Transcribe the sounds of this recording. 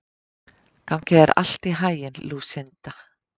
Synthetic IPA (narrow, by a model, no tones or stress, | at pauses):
kʰawncɪɛɾa̰l̥t̪iɦaːjɪnluːsɪnt̪a